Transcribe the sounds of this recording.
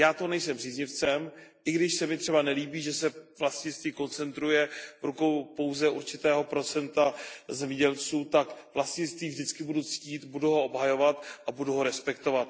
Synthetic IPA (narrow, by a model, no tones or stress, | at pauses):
jaːt̪onɛjsɛmr̝iːzɲɪft͡sɛmʔɪɡdɪʃsɛmɪt̪r̥ɛbanɛliːbiːʒɛsɛvlastɲɪst̪viːko̞nt͡sɛnt̪ɾujɛvɾuko̞wpo̞wzɛʔuɾt͡ʃɪt̪ɛːɦo̞pɾo̞t͡sɛnt̪azɛmɲɛɟɛlt͡suːt̪akvlastɲɪnst̪viːvdɪt͡skɪbudut͡sciːt̪buduɦoobɦajo̞vat̪ʔabuduɦo̞ɾɛspɛkt̪o̞vat̪